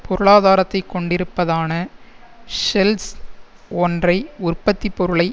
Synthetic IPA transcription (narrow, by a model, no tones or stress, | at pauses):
pʰɔɾɯɭaːðaːɾɐt̪ːɐɪkːɔɳɖɪɾɯpːɐðaːnɐ | ʂɛls | ɔndrɐɪʊrpːɐt̪ːipːɔɾɯɭɐɪ